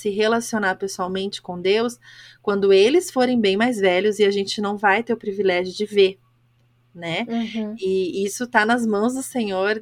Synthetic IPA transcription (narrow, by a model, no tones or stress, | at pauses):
sɪɦelasionaɾpesuawmẽnt͡ʃɪ̥kõd̪ewskwɐ̃nd̪ʊelɪsfoɾẽj̃bẽj̃majzvɛʎʊzɪaʒẽnt͡ʃɪnɐ̃w̃vajt̪eɾʊpɾivilɛʒjʊd͡ʒɪveɾ | nɛ | ɪisʊt̪anɐzmɐ̃w̃zd̪ʊsẽɲoɾ